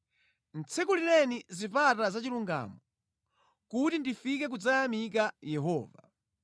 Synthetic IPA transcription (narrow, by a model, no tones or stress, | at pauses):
n̩t͡sʰɛkulilɛnizipatazat͡ʃiluŋɡa̰mɔ | kutindifikɛk̬ud͡zaːmikajɛɦɔːva